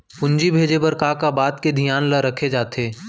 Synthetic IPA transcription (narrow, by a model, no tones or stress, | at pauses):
pʊ̃ɲd͡ʒibʱeːd͡ʒepɐɾkaːkabaːt̪ked̪ʱijaːnləɾɐkʰed͡ʒaːt̪ʰeː